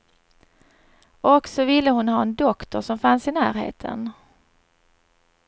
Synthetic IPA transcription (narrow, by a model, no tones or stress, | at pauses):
ɔksɔvɪlːəhʊnɦɑːɛnd̪ɔkt̪ɔʂɔmfansɪnæːɾhḛːt̪ʰə̰n